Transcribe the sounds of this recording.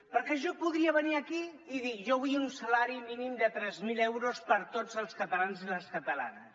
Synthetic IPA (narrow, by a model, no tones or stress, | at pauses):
pəɾkɛʒɔpuðɾiəβəniəki | iðiʒɔβiunsəlaɾiminimd̪ət̪ɾɛzmilɛwɾospəɾt̪od͡zəlˠskət̪əlanziləskət̪əla̰nəss